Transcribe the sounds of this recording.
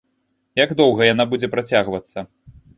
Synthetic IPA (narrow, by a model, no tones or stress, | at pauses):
jaɡd̪ɔwɣɐjanabud͡zʲɛpɾat͡sʲaɣvɐt̪sːɐ